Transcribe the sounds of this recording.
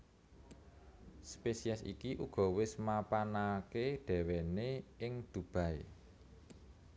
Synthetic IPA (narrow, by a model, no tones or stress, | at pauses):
spesiɛsḭkiʔuɡ̥ɔ̤wɪsmapanakeɖ̪̥ɛ̤weneɪŋd̪̥ṳb̥ä̤e